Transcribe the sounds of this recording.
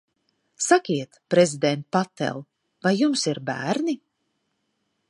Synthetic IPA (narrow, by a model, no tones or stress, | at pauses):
sakʲiɛt̪pɾezid̪ɛnt̪̚pat̪ːɛ̰lˠ | vajːumsiɾbæ̰ːɾni